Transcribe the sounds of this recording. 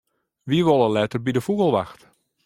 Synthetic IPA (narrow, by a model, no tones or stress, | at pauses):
ʋiəʋolˠəlɛtərbidəfuɣəlˠʋaxt